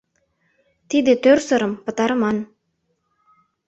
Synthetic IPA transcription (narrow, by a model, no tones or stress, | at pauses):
t̪id̪ĕt̪øɾsɤ̆ɾɤ̆mpɤ̆t̪ɑɾɤmɑn